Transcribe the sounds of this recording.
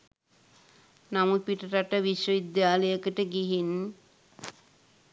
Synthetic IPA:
namupiʈəɾaʈəʋiʃʋəid̪jaːləjəkəʈəɡiɦin

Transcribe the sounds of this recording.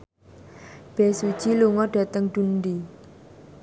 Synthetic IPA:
b̥esud̥ʒ̥iluŋɔɖ̥a̤t̪əŋɖ̪̥unɖi

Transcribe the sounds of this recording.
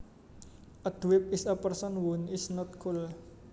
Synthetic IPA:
ʔəd̪̥wɪp̚ɪsəpərsɔnwunɪsnɔt̪̚kʰul

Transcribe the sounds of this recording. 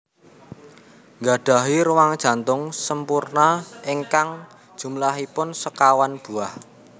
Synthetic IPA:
ŋɡaɖ̥a̤ɦiɾuwaŋd̥ʒ̥a̤nt̪ʊŋsəmpurnaeŋkaŋ | d̥ʒ̥ṳmlaɦipʊnsəkawanb̥ṳah

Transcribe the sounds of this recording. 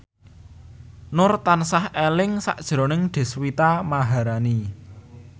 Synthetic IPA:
nʊrt̪ansahelɪŋsa̰ʔd̥ʒ̥ɾonɪŋɖ̪̥e̤swit̪amaɦaɾani

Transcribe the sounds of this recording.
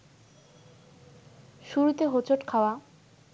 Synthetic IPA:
ʃuɾut̪eɦot͡ɕʰoʈkʰaoa

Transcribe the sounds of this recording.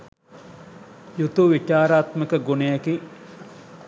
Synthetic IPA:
jut̪uʋit͡ʃaːɾaːt̪məkəɡonejaki

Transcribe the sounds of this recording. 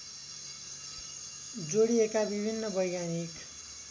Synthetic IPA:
d͡zoɽiekabibʱinːʌbʌjɡanik

